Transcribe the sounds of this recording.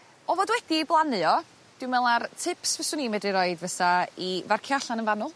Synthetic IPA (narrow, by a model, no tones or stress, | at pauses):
ɔvoːdwɛdiblˠanɔ | d̥ɪwmɛlˠartʰɪpsvɛsʊnimɛdiɾɔɨdvəθaivarkʰjaɬanənvanɔlˠ